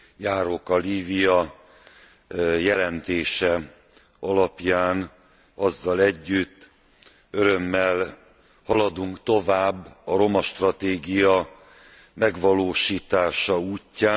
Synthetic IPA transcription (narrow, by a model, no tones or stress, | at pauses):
jaːɾo̞kɒliːvijɒ | jɛlɛnt̪eːʃɛ | ɒlɒpjaːn | ɒzːɒlɛɟːyt̪ː | øɾø̞mːɛl | hɒlɒd̪uŋkt̪o̞vaːbːɒɾo̞mɒʃt̪rɒt̪eːɡijɒ | mɛɡʋɒloːʃiːt̪aːʃɒuːcːaː